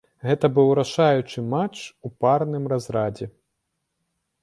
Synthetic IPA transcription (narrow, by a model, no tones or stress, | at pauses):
ɣɛt̪ɐbɨwɾaʂajut͡ʂɨmat͡ʂuparnɨmrazɾad͡zʲɛ